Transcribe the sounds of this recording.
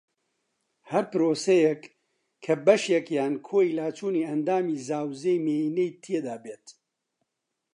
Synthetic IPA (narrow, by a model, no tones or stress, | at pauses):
hɐɾpɨɾoːsɛjɛk | kʰːɐbɐʃjɛkjaːnkʰoːilaːt͡ʃʰuːniːɐnd̪aːmiːzaːwzejmeːinejt̪ʰied̪aːbeːt̪